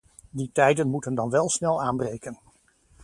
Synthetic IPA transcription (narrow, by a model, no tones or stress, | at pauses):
ditɛjdənmutəndɑnʋɛlˠsnɛlˠaːnbrejkən